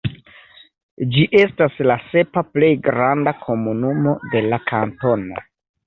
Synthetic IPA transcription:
d͡ʒiʔe̞staslase̞paple̞jɡɾandakʰo̞munumo̞de̞lakʰanto̞no

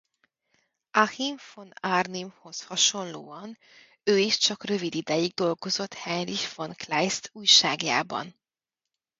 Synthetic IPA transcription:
ɒhiɱfonarnimho̞shɒʃo̞nloːɒn | øːiʃt͡ʃɒkrø̞vid̪id̪ɛjiɡ̚d̪o̞lɡo̞zo̞t̪hɛnriʃfonklɛjst̪ʰuːjʃaːɡja̰ːbɒ̰n

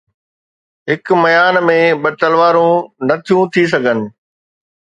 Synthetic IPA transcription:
ɦɪkmɐjaːnmẽɓɐt̪əlʋaːɾũnɐt̪ʰijũt̪ʰis̬ɐɡʱənɪ̆

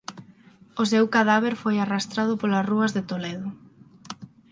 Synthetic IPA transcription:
ʊsewkaðaβ̞eɾfojarast̪ɾað̞ʊpolasruɐzðet̪oleðʊ

